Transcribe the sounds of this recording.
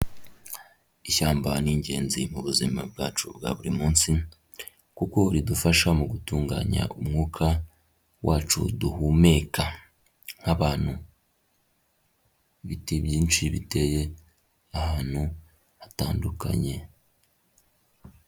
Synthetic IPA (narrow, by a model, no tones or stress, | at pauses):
içaːmbaniːɲɟe̞̰ːnzimuβuzima̰bɡaːt͡ʃṵbɡa̰βuɾimuːnsi | kuko̞ɾidufaʃamuɡutuːŋɡa̰ɲa̰ʔumŋuːkʰa | wʔaːt͡ʃṵduhume̞ka | ŋ̥haβaːn̥hu | βitibjiːnʃiβḭte̞je̞ | ahaːn̥hu | hataːnduka̰ɲe̞